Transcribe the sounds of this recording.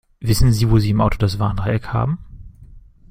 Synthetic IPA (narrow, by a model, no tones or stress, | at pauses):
vɪsn̩ziːvoːziːɪmʔaʊtʰodasv̥aːɐnʁaɛkha̰ːbm̩